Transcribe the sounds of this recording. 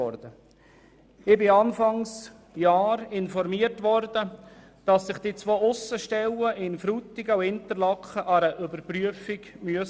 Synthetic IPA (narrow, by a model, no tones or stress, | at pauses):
ɔɾd̥̪ə | ɪbɪɑnfɑŋs | jɑːɾɪnfɔɾmiərtʋɔɾd̥ə | d̥ɑsːɪχd̥it͡sʋoːʊsːəʃtɛləʔɪnfɾut̪ɪɡəuhɪntəɾlɑkχəʔɑɾəʔʏbəɾpryəfiɡmyəs